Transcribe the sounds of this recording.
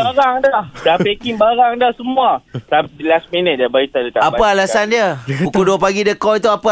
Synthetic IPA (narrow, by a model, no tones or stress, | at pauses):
baɾaŋdahdapekiŋbaɾaŋdahsəmũasalasminət̪̚diabait̪adət̪aapaalasandiəukuduəpaɡidəkɔit̪uapa